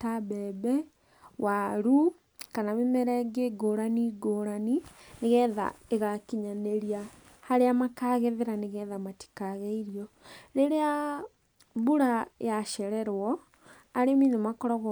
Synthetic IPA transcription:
taβɛbɛ | waɾu | kanamemɛɾɛɡeɡoːɾaniɡoːɾanineɣɛða̰eɣakiɲaneɾia | haɾeamakaːɣɛðeɾaneɣɛðamati̥kaɣɛiɾiɔɾeɾea | βuɾajaʃɛɾɛɾwɔ | aɾeminemakɔɾɔɣ

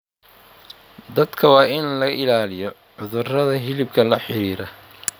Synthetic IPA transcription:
d̪ɐd̪kʰɐwɑːɪnlɐɐʔɪlaːlɪjɔ | ʕʊðʊrɐðɐɦɪlɪbkʰɐlɐħɪɾiːɾɐ

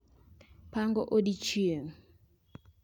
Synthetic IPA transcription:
paŋɡɔʔodit͡ʃieŋ̩

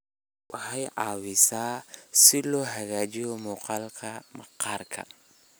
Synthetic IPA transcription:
wʔɑħɑjʕɑːwɪsaːsɪlɔːɦɐɣaːt͡ʃɪjɔmɔːqɑːlkʰɐmɐqɑːrkʰɐ̰

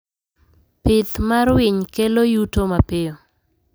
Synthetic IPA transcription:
pɪt̪maɾwɪɲkelojutomapɪo

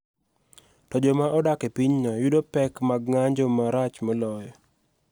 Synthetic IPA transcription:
tɔd͡ʒɔmaʔɔdakepiɲnɔjudopɛkmaɡŋaɲd͡ʒɔmaɾat͡ʃmɔlɔjɔ

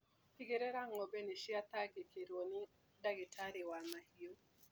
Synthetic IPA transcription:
tiɡeɾeɾaŋɔbeniʃjat̪aɡɪkʰeɾwonɪ | daɡɪtʰaɾɪwamahio

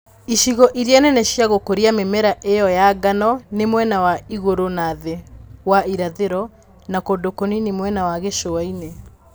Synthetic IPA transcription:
iʃiɣɔʔiɾianɛnɛɕjaɣokoɾiamemɛɾaʔejɔjaɡanɔnemwɛnawaiɣoɾonaðewaiɾaðeɾɔ | nakodokoninemwɛnawaɣeʃoaine

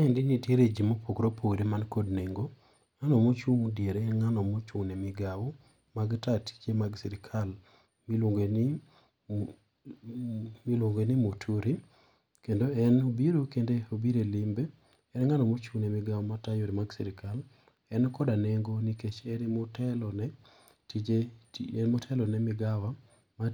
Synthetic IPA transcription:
aɛndɪnitjeɾed͡ʒimopʰokɾopʰoɾemankɔdneŋɡo | ŋanɔmot͡ʃuŋdjeɾeɛnŋanɔmot͡ʃunemɪɡawo | maɡtatt͡ʃemaɡsiɾɪkʰal | miloŋɡeni | milwoŋɡenimotʰuɾi | kendoɛnobiɾokendeobiɾelimbe | ɛnŋanɔmot͡ʃunemɪɡawɔmatajoɾimaɡsḭɾɪkʰal | ɛnkɔdaneŋɡoniket͡ʃɛnmotɛlɔnɛ | tid͡ʒeɛnmotʰɛlɔnɛmɪɡawa | ma

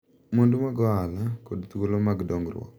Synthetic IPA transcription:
mondomaɡɔalakodt̪ukolomaɡdɔŋɡrwɔ̰k

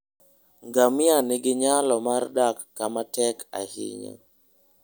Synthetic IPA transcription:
ŋɡamɪanɪɡɪɲalɔmardakːamatɛka̰hɪ̰ɲa̰

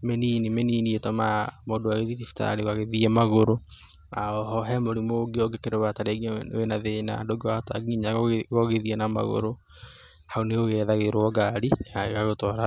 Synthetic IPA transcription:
meninimeniːnietɔmamoːdoaɣeðiðifi̥ta̰ɾeɣwaɣeðiɛmaɣoɾoaɔɦɔɦɛmoɾimoɡeɔɡekeɾowataɾeɡwenaðena̰ndoɡewata̰ɡiɲaɣɔɣeðiɛnama̰ɣo̰ɾo | haoneoɣɛðaɣeɾwɔɡaɾiaɣeɣaɣotɔːɾa

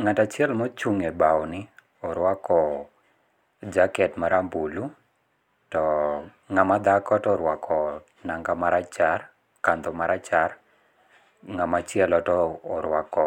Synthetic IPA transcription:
ŋatat͡ʃɪɛlmɔt͡ʃuŋebawɔnɪ | ɔɾwakɔ | d͡ʒakɛtmaɾambulu | tɔ | ŋamad̪akɔtɔɾwakʰɔ | naŋɡamaɾat͡ʃar | kand̪ɔmaɾat͡ʃar | ŋamat͡ʃɪɛlɔtɔːɾwakɔ

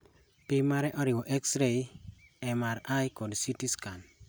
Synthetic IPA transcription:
pɪmaɾɛʔɔɾɪwɔʔeksɾeɛmaɾajkodsitiskan

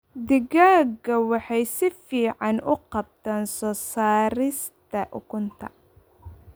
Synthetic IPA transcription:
d̪ɪɡaːɡɐwɑħɑjsɪfiːʕɑnʊqɑb̚t̪ʰaːnsɔːsaːɾɪst̪ʰɐʔʊ̰kʰʊnt̪ʰɐ̰

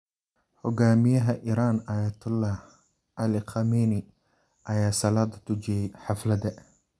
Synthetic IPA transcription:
hʊɡaːmɪjɐɦɐʔɪɾaːnaːjɐt̪ʰʊlːɑh | ɐlɪqʰɑmini | ʔɐjaːsɐlaːd̪ɐt̪ʊd͡ʒijɛjħɑflɐd̪ɛ

